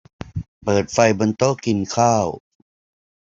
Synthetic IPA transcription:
pɤː˨˩t̪̚fa˧jbo˧nt̪o˥˩˨ki˧nkʰaː˥˩w

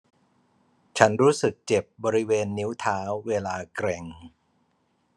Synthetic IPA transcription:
t͡ɕʰa˦˥nɾuː˦˥sɯ˨˩k̚t͡ɕe˨˩p̚bɔː˧ɾi˦˥weː˧nːi˦˥wt̪ʰaː˦˥wːeː˧laː˧kɾɛ˧ŋ

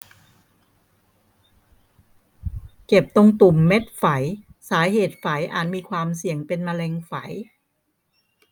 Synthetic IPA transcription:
ke˨˩p̚t̪o˧ŋt̪u˨˩mːe˦˥t̪̚fa˩˦jsaː˩˦ɦeː˨˩t̪̚fa˩˦jʔa̰ː˨˩t̪̚miː˧kʰwaː˧msi˨˩əŋpe˧nma˧lɛː˧ŋfa˩˦j

